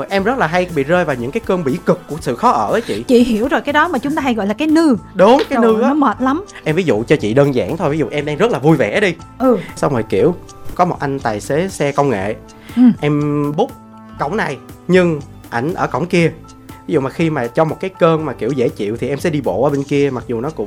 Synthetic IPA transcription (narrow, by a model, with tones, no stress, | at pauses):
o˨˩jʔɛ˧mzə˦˥t̚laː˨˩ɦa˧jɓḭ˧˨zəː˧jvaː˨˩wɲɨ̰˧˥ŋkaː˨˦jkəː˧nɓḭ˧˩kɨ˨˩k̚ːu˧˩əsɨ̰˧˨xɔ˨˦ʔəː˧˩ʔəː˨˦t͡ɕḭ˧˨t͡ɕḭ˧˨hi˧˩əwzo˨˩jkaː˨˦jɗɔ˨˦maː˨˩t͡ɕʊ˨˦ŋ͡mt̪aː˧ɦa˧jɣɔ̰˧˨jlaː˨˩kaː˨˦jnɨ˧ɗʊ˨˦ŋ͡mkaː˨˦˨nɨ˧ʔaː˨˦məː˨˩t̚la˨˦mʔɛ˧mvi˨˦zṵ˧˨t͡ɕɔ˧t͡ɕḭ˧˨ɗəː˧nza̰ː˧˩ŋt̪ʰo˧jvi˨˦zṵ˧˨ʔɛ˧mɗa˧ŋzə˦˥t̚laː˨˩vu˧jvɛ˧˩˦ɗi˧ʔɨ˨˩sa˧wŋ͡məː˨˩jkḭ˧˩əw | kɔ˨˦mo˨˩t̚ʔa˧jŋ̟t̪aː˨˩jse˨˥˦sɛ˧kə˧wŋ͡mŋḛ˧˨˩ | ʔɛ˧mɓʊ˦˥p̚ | kə̰˧˩wŋ͡mna˨˩jɲɨ˧ŋ | ʔa˧˩jŋ̟ʔəː˧˩kə̰˧˩wŋ͡mki˧ə | vi˨˦zṵ˧˨maː˨˩xi˧maː˨˩t͡ɕɔ˧mo˨˩t̚kaː˨˦jkəː˧nmaː˨˩ki˧˩əwzḛ˧˥t͡ɕḭ˧˨əwt̪ʰi˨˩ʔɛ˧msɛ̰˧˥ɗi˧ɓo̰˧˨ʔəː˧˦ɓe˧nki˧əma˨˩k̚zu˨˩nɔ˨˦kʊ̰˧˥ŋ͡m